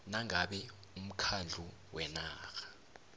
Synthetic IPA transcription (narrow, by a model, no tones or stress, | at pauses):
naŋaɓɛ | um̩kʰand͡ɮʱu | wɛnaːxḁ